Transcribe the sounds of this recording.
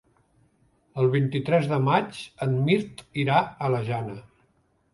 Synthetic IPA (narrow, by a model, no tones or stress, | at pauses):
əlˠβ̞int̪it̪ɾɛzðəmat͡ʃənmiɾt̪iɾaələʒanə